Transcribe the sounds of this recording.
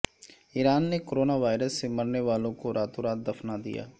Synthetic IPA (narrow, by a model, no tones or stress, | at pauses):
iːɾaːnːekoɾoːnaːʋaːɪɾəsːeməɾneʋaːlõkoɾʔaːt̪oɾaːt̪̚d̪ɐfʰnad̪ḭja̰ː